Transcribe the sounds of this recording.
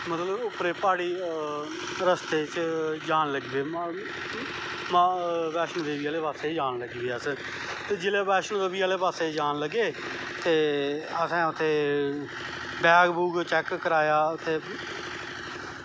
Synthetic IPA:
mət̪ləbʊpɾeːpaːɽiː | ɾəst̪eːt͡ʃd͡ʒaːnləɡiːbeː | maʋɛːʃnõːd̪eːʋiːaːleːpaːseːd͡ʒaːnləɡiːbeːəs | t̪eːd͡ʒɪleːʋɛːʃnõːd̪eːbiːaːleːpaːseːd͡ʒaːnləɡeː | t̪eːəsɛ̃ːʊt̪ʰːeː | bɛːkbuːɡt͡ʃɛkːəɾaːjaːt̪ʰːeː

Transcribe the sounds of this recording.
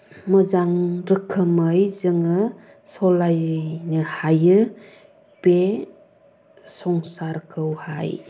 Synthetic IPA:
məzaŋɾɯkʰːɯməjzɯŋɯ | sɔlajnɯhajɯ | b̥e | sɔŋsaɾkʰɯwha̰j

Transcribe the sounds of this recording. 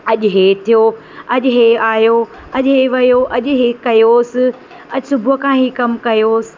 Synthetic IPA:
ɐʄʊɦeːt̪ʰijo | ɐʄɦeːaːjo | ɐʄɦeʋɐjoʔɐʄʊɦeːkɐjoːsɪ | ɐʄsʊbʱʊkʰãːɦiːkɐmkɐjoːsɪ̥

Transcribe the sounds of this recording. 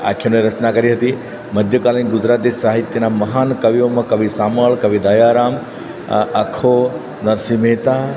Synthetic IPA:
a̰kʰjoneɾət͡ʃnakəɾiɦət̪i | məd̪ʱjəkalniɡʊd͡ʒɾaːt̪isaɦit̪jənamɐɦankɐʋiomãkɐʋisaməɭkɐʋid̪ajaɾam | əkʰo | nɐɾsimet̪a

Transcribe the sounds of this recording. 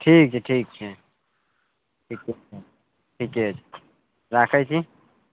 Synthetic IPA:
ʈʰiːk̚t͡ʃʰɛʈʰiːk̚t͡ʃʰɛ | ʈʰikeɛ | ʈʰikɛɦot͡ʃʰɛ | ɾaːkʰəjt͡ʃʰi

